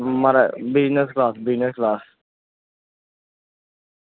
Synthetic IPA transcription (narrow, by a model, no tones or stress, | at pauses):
maɾɛbɪznəsklaːsbɪznəsklaːs